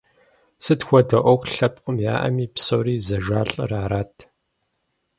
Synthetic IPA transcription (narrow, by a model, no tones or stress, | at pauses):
sɨtxʷɔdɐʔʷɔxʷɬɐp̚ʼqʼəmja̰ːʔɐ̰miːpsowɾiːzɐʒaːɬʼɨ̰raːɾaːtʰ